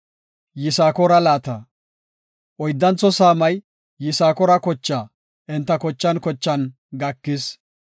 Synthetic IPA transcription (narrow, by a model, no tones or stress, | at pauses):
jɪsaːkɔɾɐlaːt̪ɐ | ʔɔjd̪ːɐnt͡sːɔsaːmɐj | jɪsaːkɔɾɐkɔt͡ʃːaː | ʔɪnt̪ːɐkɔt͡ʃːɐnkɔt͡ʃːɐn | ɡɐkːɪs